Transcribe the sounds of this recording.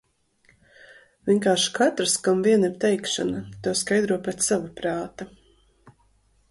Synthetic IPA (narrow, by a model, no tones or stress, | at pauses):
vʲiɛnkaːɾʃkat̪ɾskamviɛniɾt̪ɛjkʃa̰nat̪uɔskajd̪ɾuɔpʲɛt̪savapɾaːt̪a